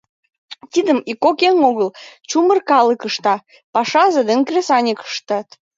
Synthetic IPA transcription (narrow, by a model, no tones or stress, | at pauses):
t̪id̪əmikːokeŋoɣəlt͡ɕumərkɑləkəʃt̪ɑ | pɑʃɑzed̪eŋkrʲesɑnʲekə̥ʃt̪ɑt̪